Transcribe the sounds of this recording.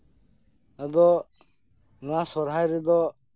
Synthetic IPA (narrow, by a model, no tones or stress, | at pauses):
ad̪ɔ | nasɔɾɦajɾɛd̪ɔ